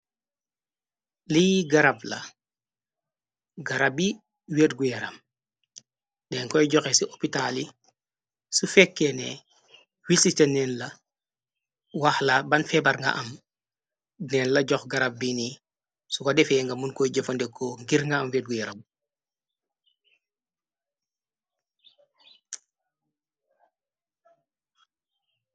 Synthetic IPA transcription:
liɡaɾablɐ̰ | ɡaɾabi | wetɡujaɾɐ̰m | dɛŋkɔjɟɔxesiʔopitali | sufɛkːenɛ̰ | wisit͡ʃɐnɛnlɐ | waxlabanfɛbaɾŋɡa̰ʔɐm | nɛːnlɐɟɔxɡɐɾab̚bini | sukadɛfɛŋɡɐmunkɔjɟɐfɐndɛkʰːoŋɡiɾŋɡaːmfɛdɡujɛɾɐb

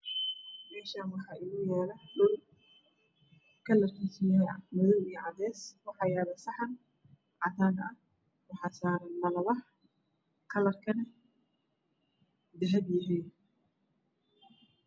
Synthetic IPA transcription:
mɛːʃaːmɐrkʰɑːʔɪlʊjɛːlɐɖʊl | kʰɐlɐrkʰisijɛmɔðɔwiːʕɑd̪ɛːswɑħɑjaːlɐsɑħɑn | ʕɑt̪aːnɐ | wɑħɑːsaːɾɐlɐlɐβɐ | kʰɐlɐrkʰɐnɐ | d̪ɐɦɛbjɐɦiː

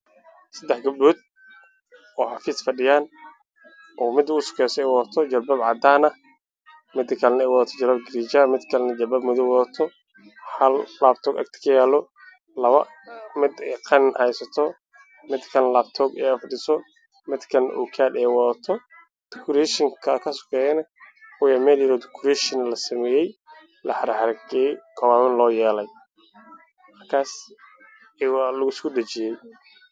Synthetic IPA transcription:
sɐd̪ɛħɡɐb̚buːd̪̚ | ɔːħɑfiːsfɐɖɪjaːn | ʔɔːmɪd̪ʊsʊ̥kʰɛsɔɛjwðɐt̪ʰɔd͡ʒɐlbɐbʕɑd̪aːnɐ | mɪd̪ɪkʰɐlɛnɐɛːwɔðɐt̪ʰɔd͡ʒɐlbɐb̚ɡɪɾid͡ʒamɪd̪kʰɐlɛnɐd͡ʒɐbɐbmʊðʊwɔðɐt̪ʰɔ | hɐllaːb̚t̪ʰɔːɡɐ̰kt̪ʰɪ̥kʰɐjaːlɔ | lɐβɐ | mɪd̪ɛqʰɑnnɛjsɐt̪ʰɔ | mɪd̪kʰɐnlaːbt̪ʰɔɡɛːɐfɖɪsɔ | mɪd̪kʰɐnʔɔ̰kʰaːd̪ɛːwɐðɐt̪ʰɔ | d̪̥ɪkʰʊɾɛʃɪŋkʰɐkʰɐsʊ̥kʰɛːjɐnɐkʊjɐmɛːljɛlɔd̪ɪkʰʊɾɛʃɪnlɐsɐmɛːjɛj | lɐħɐɾɐħɐɾɐɡɛkʰɐwaːmɪnlɔːjɛːlɛj | mɐrkʰaːs | ɛwɑːlʊɣʊskʰʊdɐt͡ʃɪjɛj

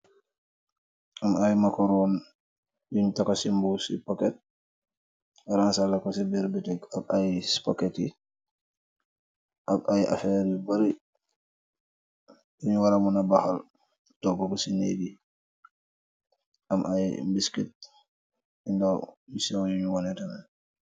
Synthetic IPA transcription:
ʔamajmakɔɾɔn | jiɲtakɔsimbusḭpɔkɛt̚ | ɾansalakɔsibiɾbitɛɡabajsi̥pɔkɛti | ʔabajʔa̰fɛɾibaɾi | juɲuwaɾamunabaxal | tɔɡːɔkɔsinebi | ʔamʔajmbiskit̚ | indawjusɛwjuɲuwɔnɛtamɛ

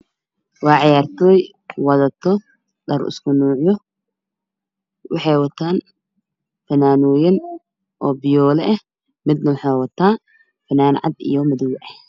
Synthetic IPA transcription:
wɑːʕɑjaːrt̪ʰɔːj | wɐðɐt̪ʰɔ | dɐrɪ̰skʰʊnuːʕjɔ | wɑħɑjwɐt̪ʰaːn | fɐnaːnɔːjɐn | ʔɔːbɪjɔːlɛʔɛ | mɪd̪nɐwɑħɑːwɐt̪ʰaː | fɐnaːnʕɑ̰d̪ḭjɔmɐðɪwʔɛh

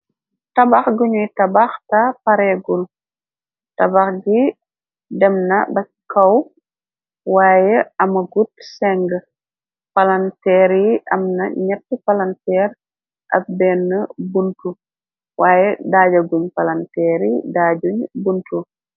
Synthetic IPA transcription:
tɐbaxɡuɲujtɐbaxtɐpɐɾɛɡul | tɐbaxɡi | dɛmnɐbɐ | kɐw | waːjɛɐmɐɡut̚sɛŋɡə | pɐlɐntɛːɾiɐmnɐɲɛtːəpɐlɐntɛːɾ | ʔɐ̰p̚bɛnːəbuntu | wʔaːjɛdaːɟɐɡuɲpɐlɐntɛːɾidaːɟuɲbuntu

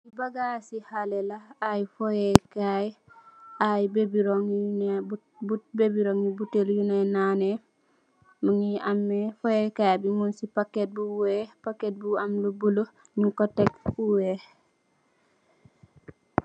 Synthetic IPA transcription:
sibaɡasihalelaajfojɛkaj | ajbebiɾoŋne | bubebiɾoŋjibuteljunenane | muŋiamːefojekajbimunsipakːet̚buwepaket̚buamlubulo | ɲukotekuwe

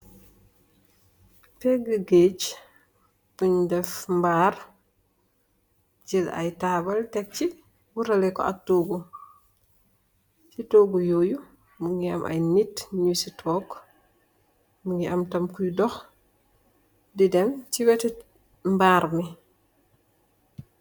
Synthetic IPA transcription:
pɛɡəɡet͡ʃ | buɲdɛfmbaːr | d͡ʒila̰jtaːbɐltɛk̚t͡ʃi | buɾɐlɛkɔ̰ɐ̰k̚toːɡu | sitoːɡujoju | muŋɡiɐ̰mʔa̰jnitɲusitʰɔːɡ | muŋɡiʔɐmtɐmkujdɔx | didɛmtibɛtɛ | mbaːɾmi

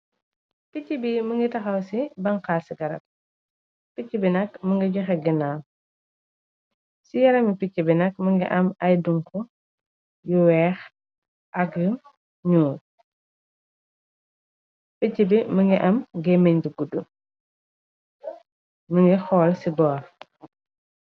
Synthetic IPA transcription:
picːibiməŋɡitɐxɐwsibɐŋkaːsiɡɐɾɐ̰p̚ | picːibinɐkməŋɡiɟuxɛɡinaːm | sijɐɾɐmipicːibinɐk̚məŋɡḭʔɐmɐjduŋkɔ | juwɛːx | ʔɐɡə | ɲuː | picːibiməŋɡiʔɐmɡɛmeɲduɡudu | məŋɡixɔːlsibɔːɾ

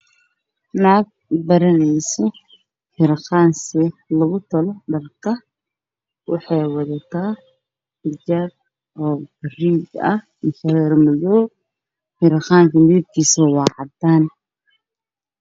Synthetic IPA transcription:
naːɡ̚bɐɾɐnɛjsɔ | ħɪɾχɑːnsɛlɐɣʊt̪ʰɐlɔɖɐlkʰɐ | wɑ̰ħɑjwɑðɐt̪ʰaː | ħɪd͡ʒaːb̚ | ɔːbɐriːɡɐ̰h | mʊʃɐɾɛːrmɪðɔː | ħɪɾχaːŋkʰɐmɪðɪb̚kʰiːsɐwɑːʕɑd̪aːn

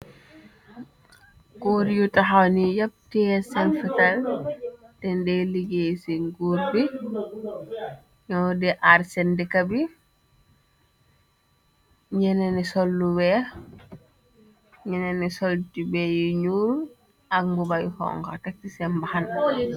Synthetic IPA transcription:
koɾjutaɦawnijap̚tiɛsɛnfital | tɛndɛliɡesiŋɡuɾbi | ɲɔdɛʔaɾsɛndikabi | ɲɛnɛnisɔlːuwɛ | ɲɛnɛnisɔltibɛjiɲuːl | ak̚mbubajhɔ̰ŋka̰tak̚tisɛmbahan

